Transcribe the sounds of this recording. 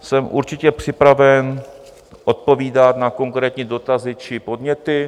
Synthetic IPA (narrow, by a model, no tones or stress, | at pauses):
sɛmʔṵɾt͡ʃɪcɛpr̝̥ɪpɾavɛn | ʔo̞t̪̚po̞viːdat̪nako̞ŋkɾɛːt̪ɲiːdo̞t̪azɪt͡ʃɪpo̞dɲɛt̪ɪ